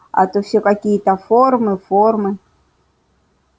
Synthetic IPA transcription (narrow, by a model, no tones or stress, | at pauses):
a̰t̪ofsʲokakʲijət̪ɐformɨformɨ